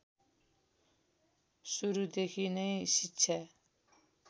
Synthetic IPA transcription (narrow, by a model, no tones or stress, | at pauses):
suɾud̪ekʰinəjsitːʃʰa